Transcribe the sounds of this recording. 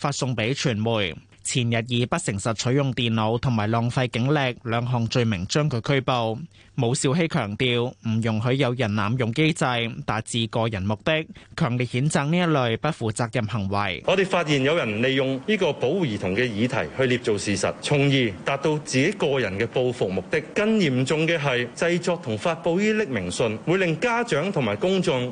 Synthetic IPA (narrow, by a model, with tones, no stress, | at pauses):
faː˧t̚sʊ˧ŋpe˨˥jt͡ʃʰyː˨˩nmuː˨˩j | t͡sʰiː˨˩njɐ˨t̬̚jiː˨˧pɐ˥t̚sɪ˨˩ŋsɐ˨t̚t͡ʃʰɵ˨˥ɥjʊ˨ŋt̪iː˨nːo˨˧˥wt̪ʰʊ˨˩ŋmaː˨˩jlɔː˨˩ŋfɐ˧jkɪ˨˥ŋlɛ˧k̚lœː˨˧ŋɦɔː˨˩ŋt͡ʃɵ˧ɥmɪ˨˩ŋt͡ʃœː˥ŋkʰɵ˨˧jkʰɵ˥ɥpo˧w | mo˨˧wsiː˧wɦe˥jkʰœː˨˩ŋt̪iː˧wm̩˨˩jʊ˨˩ŋɦɵ˨˥ɥjɐ˨˧wjɐ˨˩nna̰ː˨mjʊ˨ŋke˥jt͡sɐ˧jt̪aː˨t̚t͡siː˨˧kɔː˧jɐ˨˩nmʊ˨k̚t̪ɪ˥k̚kʰœː˨˩ŋliː˨t̚hiː˨˥nt͡saː˨˧k̚niː˥jɐ˥t̚lɵ˨ɥpɐ˥t̚fuː˨˩t͡saː˧k̚jɐ˨mhɐ˨˩ŋwɐ̰˨˩jŋɔː˨˧t̪e˨jfaː˧t̚jiː˨˩njɐ˨˧wjɐ˨˩nle˨jjʊ˨ŋniː˥kɔː˧po˨˥wuː˨jiː˨˩t̪ʰʊ˨˩ŋkɛː˧jiː˨˧t̪ʰɐ˨˩jhɵ˧ɥliː˧p̚t͡so˨wsiː˨˩sɐ̰˨t̚t͡sʰʊ˨˩ŋjiː˨˧t̪aː˨p̚t̪o˧wt͡siː˨ke˨˥kɔː˧jɐ˨˩nkɛː˧po˧wfʊ˨k̚mʊ˨k̚t̪ɪ˥k̚kɐ˥njiː˨˩mt͡sʊ˨˧ŋkɛː˧ɦɐ˨jt͡sɐ˧jt͡sɔː˧k̚t̪ʰʊ˨˩ŋfaː˧t̚po˧wjiː˥lɪ˥k̚mɪ˨˩ŋsɵ˧nwuː˨˧˥lɪ˨ŋkaː˥t͡ʃœː˨˥ŋt̪ʰʊ˨˩maː˨˩jkʊ˥ŋt͡sʊ˧ŋ